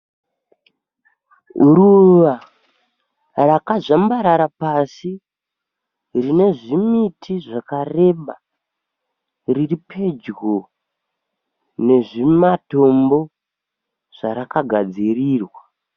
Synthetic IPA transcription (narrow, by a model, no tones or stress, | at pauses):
uɾuʋa | rakaʐambaɾaɾapasi | rine̞ʐimitʰiʐakare̞ɓa | riripʰe̞d͡ʒɡo | ne̞ʐimato̞mbo̞ | ʐ̥aɾakaɡʱad͡ziriːrwa